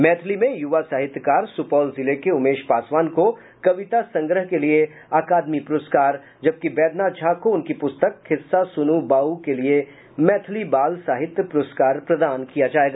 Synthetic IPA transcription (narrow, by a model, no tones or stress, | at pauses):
mɛːt̪ʰlimẽjʊʋasaːɦɪt̪jkaːɾsʊpɔːlzɪlekeʊmeːʃpaːsʋaːnko | kɐʋɪt̪asɐ̃ŋɡɾəɦkelie | aːkaːd̪mipʊɾʊːskaːɾ | d͡ʒɐb̚kibɛːd̪nad͡ʒʰaːkoʊnkipʊst̪əkhʰɪsːasʊnubaːukelie | mɛːt̪ʰlibaːlsaːɦɪt̪jəpʊɾoskaːɾpɾɐd̪aːnkijad͡ʒaːeːɡaː